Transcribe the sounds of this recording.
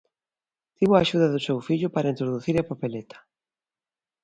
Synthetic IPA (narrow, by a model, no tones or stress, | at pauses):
t̪iβʊaʃuðaðʊsewfiʎʊpaɾaint̪ɾoðuθiɾapapelet̪ʰḁ